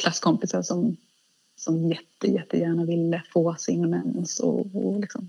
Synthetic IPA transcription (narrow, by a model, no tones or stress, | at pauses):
kʰlasːkʰɔmpɪsaɾʂɔm | sɔmjɛt̪ːəjɛt̪ːəjæːɳavɪlːəfoːsɪŋɔnɛnsɔ̰ɔlɪksɔm